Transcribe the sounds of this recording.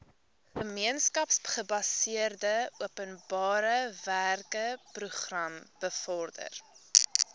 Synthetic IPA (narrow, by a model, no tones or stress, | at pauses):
χəmiənskɐpsχəbɐsiərdəuəpənbɑːɾəværkəpruχrɐmb̥əfɔrdə̰r